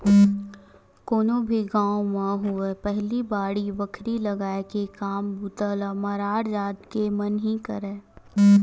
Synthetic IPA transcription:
koːnobʱiɡãːwomãɦuepɛɦlibaːɽiʋəkʰɾilɐɡaːekekaːmbʱut̪əlamɐɾaːɽd͡ʒaːt̪kemɐnɦikɐɾeː

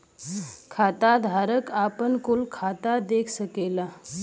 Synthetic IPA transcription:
kʰat̪ad̪ʱaɾəkapənkulkʰat̪ad̪ekʰsəkela

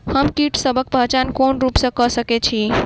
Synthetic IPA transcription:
həmkiʈsəbʱək̚pəɦt͡ʃankonɾupsə̃kəsəket͡ʃʰi

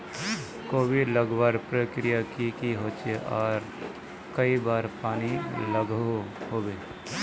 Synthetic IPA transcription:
koːbiləɡbaːɾpɾəkɾijakikiɦoːt͡ʃeʔɔːɾ | kəibaːɾpaːniləɡoɦoːbeː

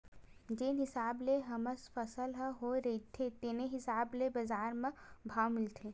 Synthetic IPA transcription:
d͡ʒeːnɦɪsaːbleɦɐməsfɐsəlɦɐɦoɾɐit̪ʰet̪eːneɦɪsaːblebɐzaːɾmẽbʱaːwmɪlt̪ʰeː

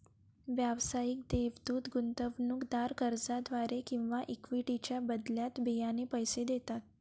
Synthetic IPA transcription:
ʋjaʋsajik̚d̪eʋd̪uːt̪ɡunt̪əʋnukd̪aɾkəɾd͡zad̪ʋaɾekĩw̃ʋaʔikʋiʈit͡ɕjabəd̪ljat̪bejanepəjsed̪et̪at̪̚

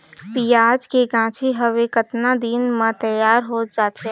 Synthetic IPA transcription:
piːaːd͡ʒkeɡãːt͡ʃʰiɦəʋekɐt̪nad̪iːnmãt̪əjaːɾɦoːd͡ʒaːt̪ɛ̃

